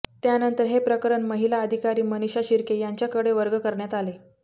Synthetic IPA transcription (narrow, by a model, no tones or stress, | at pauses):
t̪janənt̪əɾɦepɾəkəɾəɳməɦilaəd̪ʱikaɾiːməniɕaɕiɾkejaɲt͡ɕjakəɽeʋəɾɡəkəɾɳjat̪ale